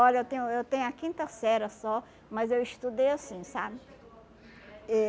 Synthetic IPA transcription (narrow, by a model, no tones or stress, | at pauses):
ɔʎɐewt̪ẽj̃ʊewt̪ẽɲʊɐkĩnt̪ɐsɛɾɐsɔ | mɐzewist̪ud̪ejasĩsabɪ | ɛ